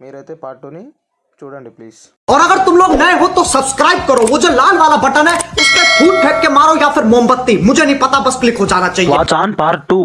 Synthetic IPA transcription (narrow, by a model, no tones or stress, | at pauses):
ɔːɾɐɡəɾt̪ʊmloːɡnɐɦĩɦot̪osɐbskɾaːɪb̚kɐɾoʋod͡ʒoːlaːlʋaːlabɐʈənɦɛʊstẽpʰuːʈ̚ʈʰeːʈ̚kemaːɾojapʰɪɾmʊɦə̃mbət̪ːimʊd͡ʒʱenɐɦĩpɐt̪abɐsklɪkɦod͡ʒaːnat͡ʃaːɦiet͡ʃaːnpaːɾʈu